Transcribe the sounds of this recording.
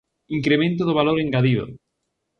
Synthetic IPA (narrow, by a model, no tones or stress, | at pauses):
iŋkɾemẽnt̪̬ʊðʊβaloɾeŋɡaðiðo̰